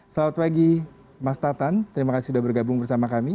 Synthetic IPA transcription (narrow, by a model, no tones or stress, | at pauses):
səlaut̪̚paɡi | mast̪at̪ant̪əɾimakasɪudahbərɡabʊŋbərsamakami